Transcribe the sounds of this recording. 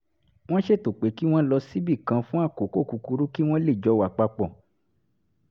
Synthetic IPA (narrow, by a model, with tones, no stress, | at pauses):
w̃ɔ̃˦ʃe˦˨to˨k͡pe˨˦ki˦w̃ɔ̃˦lɔ˧si˦bi˦˨kã˧fũ˦a˦˨ko˨˦ko˦˨ku˧ku˧ɾu˦ki˦w̃ɔ̃˦le˦˨d͡ʒɔ˨˧˦wa˨k͡pa˧k͡pɔ˨